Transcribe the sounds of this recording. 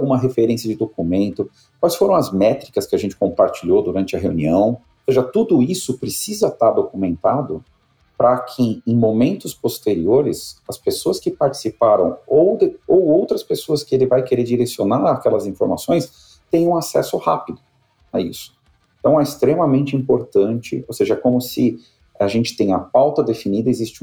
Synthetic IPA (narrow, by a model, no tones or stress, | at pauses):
ɡũmɐɦefeɾẽsiɐd͡ʒɪd̪okumẽnt̪ʊ | kwajsfoɾɐ̃w̃ɐzmɛt̪ɾikɐskɪaʒẽnt͡ʃɪ̥kõpaɾt͡ʃiʎod̪uɾɐ̃nt͡ʃɪɐɦeuniɐ̃w̃oseʒɐt̪ud̪ʊisʊpɾɪsizɐt̪aɾd̪okumẽnt̪ad̪ʊ | pɾɐkʰɪẽj̃momẽnt̪ʊspost̪eɾioɾɪsɐspesoɐskɪpaɾt͡ʃi̥sipaɾɐ̰̃w̃owd̪owowt̪ɾɐspesoɐskɪelɪvajkeɾeɾd͡ʒiɾesionaɾakɛlɐzĩfoɾma̰sõj̃s | t̪ẽj̃ɐ̃ũasɛ̰sʊha̰pid̪ʊ | ɐisʊ̥ | ẽt̪ɐ̃w̃ɛɪst̪ɾemɐmẽnt͡ʃɪĩpoɾt̪ɐ̃nt͡ʃɪ̰owseʒɐkõmʊsɪ | aʒẽnt͡ʃɪ̥t̪ẽj̃ɐpawt̪ɐd̪efinid̪ɐezist͡ʃɪũ